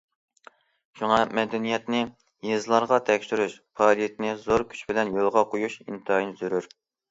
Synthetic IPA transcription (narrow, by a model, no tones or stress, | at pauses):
ʃuŋɑmɛd̪ɛnijɛt̪nɪ | jezɨlˠɑɾʁɑt̪ʰɛkʲʃyɾyʃpʰɑːlijɛt̪nɪzoɾkʲʰy̥t͡ʃbɪlɛnjolˠʁɑqʰojuʃḭnt̪ʰɨɑjnɪzyɾyɾ